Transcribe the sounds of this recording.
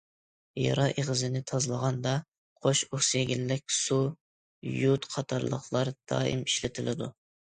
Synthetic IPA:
jɑ̰ɾɑʔeʁəzɪnɪt̪ʰɑzlˠəʁɑnd̪ɑ | qʰoʃuhseɡʲilːɪk̚ʲsu | jut̪qʰɑt̪ʰɑɾlˠə̰χlˠɑɾd̪̥ɑ̰ːɪ̰miʃlɪt̪ʰɪlɪd̪u

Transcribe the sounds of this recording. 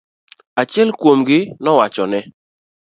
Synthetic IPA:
at͡ʃjɛlkwomɡɪnɔwat͡ʃɔnɛ

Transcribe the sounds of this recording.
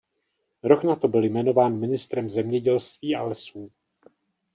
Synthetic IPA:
ɾo̞knat̪o̞bɪljmɛno̞vaːnmɪnɪst̪ɾɛmzɛmɲɛɟɛlst̪viːʔa̰lɛsuː

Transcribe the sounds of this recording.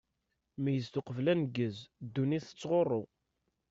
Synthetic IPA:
mijəzt̪ʊqəvlænɡəzd̪ːuniθə̥t͡sːʁorˤːo

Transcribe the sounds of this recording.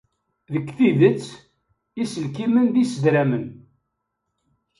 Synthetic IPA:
ðəkːθiðət͡sː | isəlk̬imənðisəd̪ɾæmən

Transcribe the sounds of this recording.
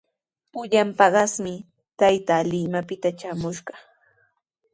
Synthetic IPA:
pʊʎampɑɢɑsmɪ | t̪ajt̪alɪmapɪt̪at͡ʃamʊʃɢɑ

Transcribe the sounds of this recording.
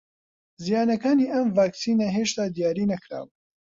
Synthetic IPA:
zijaːnɐkaːniːʔɐmvaːksiːnɐɦeːʃt̪aːd̪ijaːɾiːnɐkɾa̰ːb

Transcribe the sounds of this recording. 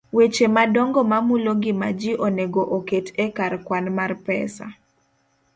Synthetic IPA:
wet͡ʃemadɔŋɡɔmamuloɡɪma̰d͡ʒiʔoneɡoʔoketʰekarkwanmarpɛ̰sa̰

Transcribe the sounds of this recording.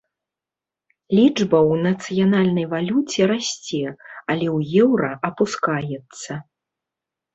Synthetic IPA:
lʲid͡ʐbɐwnɐt̪sɨjanalʲnɐjvalʲut͡sʲɛɾasʲt͡sʲɛɐlʲɛwjɛwɾɐʔɐpuskajɛt̪sːɐ

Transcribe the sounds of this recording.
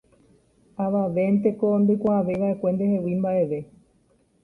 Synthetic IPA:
aʋaʋe̞nt̪e̞ko̞nd̪ojkʷaaʋe̞jʋaʔe̞kʷe̞nd̪e̞he̞wimbaʔe̞ʋe̞

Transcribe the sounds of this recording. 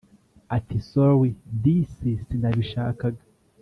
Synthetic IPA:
atisowidisisindaβiʃaːkaɡa

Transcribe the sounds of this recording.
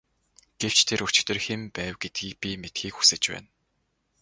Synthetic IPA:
ɡ̥ew̥t͡ɕt̪ʰeɾɵt͡ɕɪ̥̆t̪ɘ̆rxempæːwɡet̪̚ɡiːk̚pʲimet̪ɡiːkxu̥sɘ̆t͡ɕpæ̰ːn

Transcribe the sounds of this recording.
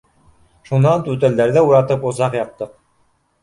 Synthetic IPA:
ʃunːɑnt̪ʉt̪æ̆ld̪æɾðɘuɾɑt̪ɤpŏzɑqjɑp̚t̪ːɤq̚

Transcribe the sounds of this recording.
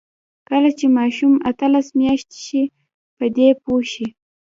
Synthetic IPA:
kəlat͡ʃemɑʃumat̪əlasmjɑʃt̪i̥ʃi | pəd̪epoʃi

